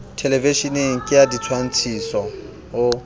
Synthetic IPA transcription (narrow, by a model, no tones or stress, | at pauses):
tʰeleviʃineŋ̩kʼɪjadit͡sʰwan̩t͡sʰisɔ | ʊ